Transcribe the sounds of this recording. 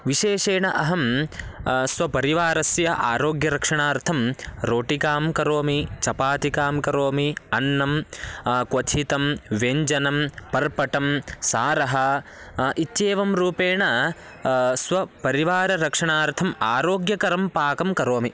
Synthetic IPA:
ʋiʃeːʂeːɳɐʔɐɦɐm | sʋɐpɐɾiʋaːɾɐsjɐʔa̰ːɾoːɡjɐɾɐkʂɐɳaːɾt̪ʰɐmɾoːʈikaːmkɐɾoːmit͡ʃɐpaːt̪ikaːmkɐɾoːmiɐnːɐmkwɐt̪ʰit̪ɐmʋeɲd͡ʒɐnɐmpɐɾpɐʈɐmsaːɾɐɦɐ | ʔit̪ːʃeːʋɐmɾuːpeːɳɐ | sʋɐpɐɾiʋaːɾɐɾɐkʂɐɳaːɾt̪ʰɐmaːɾoːɡjɐkɐɾɐmpaːkɐmkɐɾoːmi

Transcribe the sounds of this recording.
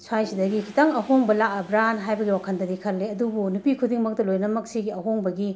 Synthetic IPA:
swajsidɐɡikʰitaŋɐhoŋbɐlaʔɐbɾanɦajbɐɡiwakʰɐndɐdikʰɐlːeɐdubunupikʰudiŋmɐk̚tɐlojnɐmɐksiɡiɐɦoŋbɐɡi

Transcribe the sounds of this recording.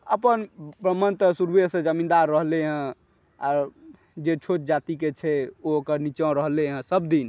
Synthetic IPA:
əpənbɾəmənt̪əsuɾbesẽd͡ʒəmĩnd̪aɾːəɦleɦə̃ | a̰ɾ | d͡ʒet͡ʃʰot͡ʃd͡ʒat̪iket͡ʃʰɛookəɾnit͡ʃə̃ɾəɦleɦə̃səbd̪in

